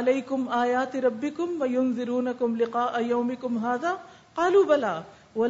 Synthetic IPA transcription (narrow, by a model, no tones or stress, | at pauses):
alajkʊmʔaːjaːt̪ɾˤɑbːɪkʊmwajʊnðɪɾuːnakʊmlɪqɑːʔajawmɪkʊmɦaːðaː | qɑːluːbalaː | wa